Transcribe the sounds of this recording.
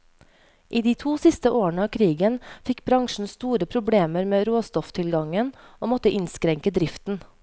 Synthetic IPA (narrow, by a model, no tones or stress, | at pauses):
ʔiːd̪iːt̪ʰuːsɪst̪əʔoːəɳəɑːkʰɾiːɡənfɪkbɾɑŋʃɳ̩st̪uːɾəpʰɾʊbɽeːməɾmeːɾoːst̪ɔft̪ʰɪlɡɑŋənʔoːmɔt̪əʔɪnskɾɛŋkəd̪ɾɪft̪n̩